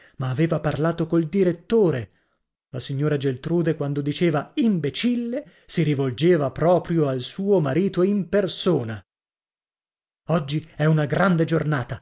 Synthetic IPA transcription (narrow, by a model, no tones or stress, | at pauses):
maːveːvaparlaːt̪okold̪iɾet̪ːoːɾe | lasiɲːoːɾad͡ʒelt̪ɾuːd̪ekwand̪od̪it͡ʃeːvaimbet͡ʃilːe | siɾivold͡ʒeːvapɾɔːpɾjoalsuːomaɾiːt̪oimpersoːna | ɔd͡ʒːiɛunaɡɾand̪ed͡ʒornaːt̪a